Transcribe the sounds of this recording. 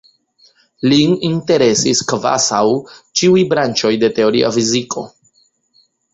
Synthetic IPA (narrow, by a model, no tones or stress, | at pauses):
lininte̞ɾe̞siskva̰sawt͡ʃiujbɾant͡ʃo̞jde̞te̞o̞ɾḭa̰fizikʰo̞